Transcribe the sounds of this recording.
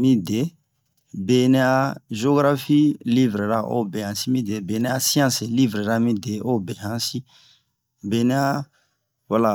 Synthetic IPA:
mĩ˦de˨ | be˨nɛ˦a˦ʒo˦ɡɾa˦fi˦li˦vɾe˨ɾa˦ʔo̰˦bɛ̃˨hã˨si˦mĩ˦de˨be˨nɛ˦a˦si˦ã˦se˨li˦vɾe˨ɾa˦mĩ˦de˨o˦bɛ̃˨ɦã˦si˦ | be˨ne˦a˦ | wa˦la˨

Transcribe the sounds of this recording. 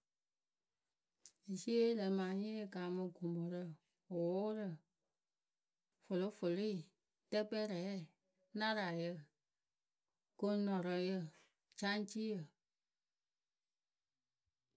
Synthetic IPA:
i˨se˦lə˨mãː˨˦ɲẽ˦jə˨ka˨˦mə̃˧ɡo˨mɔ˨ɾə˦ | o˨wo˦ɾə˨ | fo˨lo˦fo˨lo˦i˦˨ | tɛ˦k͡pɛ˦ɾɛː˨˦˨ | nã˦ɾa˨jə˧ | ko˦nɔ̃˨ɾɔ˨˧jə˧˨ | t͡ʃã˦n˦t͡ʃi˦jə˨

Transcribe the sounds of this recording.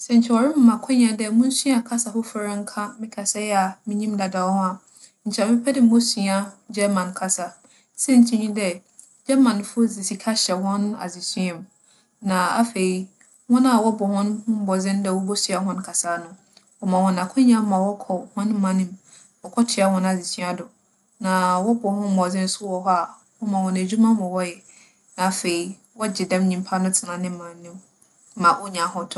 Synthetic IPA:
sɛ˨ɲ̩˨t͡ɕʰɛ˨wɔ˨ɾɪ̃˦m̩ː˨ã˨kʷʰʊ̃˦ɲã˨dɛ˦mʊ̃˦n̩˦su˦a˨kʰa˦sa˨fʊ˦fʊ˨ɾa˦ŋ̩˦kʰa˦mɪ̃˦kʰa˨sa˦jɛ˦a˨mɪ̃˦ɲĩ˦mda˨da˨whʊ̃˦a˨ | n̩˨t͡ɕʰɛ˨mɪ̃˦pʰɛ˦dɪ˨m̩˦mo˦si˨a˦d͡ʑɛ˦mã˨nkʰa˨sa˨ | sɛ˦ɲ̩˦tʰĩ˦ɲĩ˦dɛ˦ | d͡ʑɛ˦mã˨n˨fʊ˦zi˨si˨kʰa˦ɕɛ˨hɔ̃˦n˦a̰˨zi˨si˦ɛ̃˨m | nã˨a̰˦fe˨i˦ | wɔ̃˦na˨wɔ˦bʊ˨hʊ̃˦nʊ̃˦m˦bɔ˨zɪ̃˦n˦dɛ˨wɔ˦bɔ˦si˨a˨ɦɔ̃˦n˦kʰa˨saː˦nʊ̃˦ | wɔ˦mã˨hɔ̃˨na˨kʰʊ̃˦ɲã˦m˦mã˨wɔ˦kʰɔ˨hɔ̃˦n˦mã˦nɪ̃˨m | wɔ˨kʰɔ˦tʰɪ˨a˦hɔ̃˦na˨zi˨sʰĩ˦a˦dʊ˨ | nã˨wɔ˦bʊ˨hʊ̃˦m˦bɔ˨d͡zɪ̃˦n̩˦sʊ˦wɔ˨˦ɦɔ˦a˨ | wɔ˦mã˨hɔ̃˨næ˨d͡ʑᶣu˦mã˦mʊ̃˨wɔ˦jɛ˨ | nã˨a˨fe˨i˨ | wɔ˦d͡ʑɪ˨dɛ̃˦mɲĩ˨m˦pʰa˦nʊ̃˦tʰɪ˨nã˨nɪ̃˦m˦mã˨n˦nɪ̃˦m˦ | mã˨wɔ˦ɲã˨˦hɔ̃˦tʰʊ˦

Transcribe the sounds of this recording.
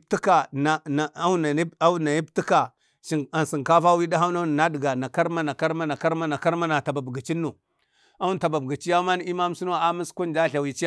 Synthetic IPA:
ptu˦ka˨na˨na˨a˦na˨i˦a˦na˨ji˦p̚ti˦ka˨ | ʃi˨ŋa˨nsi˨ŋka˦fa˦wi˦da˦ɦa˦na˦n˨na˦di˨ɡa˨na˨ka˦ɾma˦na˨ka˦ɾma˦na˨ka˦ɾma˦na˨ka˦ɾma˦na˨ta˨ba˨bɡa˨t͡ʃi˦nːu˨ | a˦wu˦˨ta˨ba˨bɡa˨t͡ʃi˦ja˦ma˦n˦i˦ma˦m˦su˦n˦a˨a˦mi˦sku˦nd͡ʒa˦ɬa˨wi˨t͡ʃi˦ja˦

